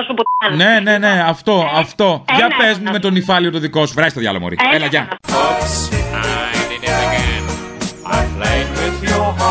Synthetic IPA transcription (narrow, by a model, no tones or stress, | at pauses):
supne̞ne̞ne̞ɐft̪o̞ɐft̪o̞ʝɐpezmume̞t̪onifɐliot̪oðiko̞suvɾɐzist̪oðʝɐ̰lomo̰ɾḭelɐʝɐ | ajdɪdɡɛn | aɪplewɪðju